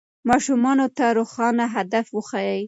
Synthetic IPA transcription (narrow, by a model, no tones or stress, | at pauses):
mɑʃumɑnot̪aɾoxɑnaɦad̪afwəxɑjəj